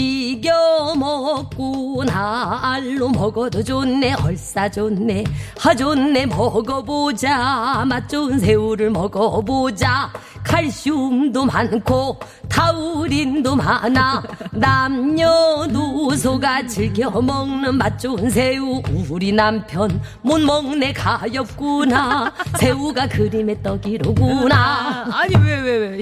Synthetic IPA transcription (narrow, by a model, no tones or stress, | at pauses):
iɡjʌmʌk͈̚onaːɭːomʌɡʌd͡ʑonːe̞ʔʌɭs͈ad͡ʑonːehad͡ʑonːe̞mʌɡʌbod͡ʑamat̚t͡ɕ͈ons̬ʰe̞uɾɯɭmʌɡʌbod͡ʑakʰaɭɕ͈umdomankʰo | tʰauɾindomananamɲʌnusʰoɡat͡ɕiɭkʰjʌmʌŋnɯnmat̚t͡ɕ͈oːns̬ʰeuuɾinampʰjʌn | monmʌŋne̞kajʌp̚k͈unasʰe̞uɡakɯɾimet͈ʌɡiɾoɡunaaɲiwewewe